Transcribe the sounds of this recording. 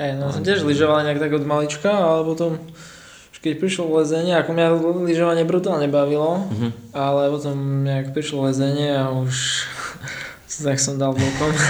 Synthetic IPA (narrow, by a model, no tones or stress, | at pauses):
hɛjnɔsɔmcɪɛʒliʒɔʋalɲɛakt̪aɡɔd̪malit͡ʃkaalɛpɔt̪ɔm | uʃkɛcpɾiʃlɔʋlɛzɛɲɪɛakɔmɲaliʒɔʋaɲɪɛbɾut̪aːlɲɛbaʋilɔalɛpɔt̪ɔmɲakpɾiʃlɔlɛzɛɲɪɛauʃ | t̪aksɔmd̪alˠvɔkɔm